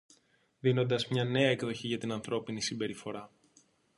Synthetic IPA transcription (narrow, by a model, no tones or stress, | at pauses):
ðino̞nd̪ɐzmɲɐne̞ɐekðo̞çiʝɐt̪inɐnθɾo̞pinisimbe̞ɾifo̞ɾɐ